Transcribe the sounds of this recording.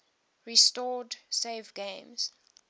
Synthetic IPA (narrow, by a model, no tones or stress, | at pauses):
ɹistɔdseɪvɡẽmz̥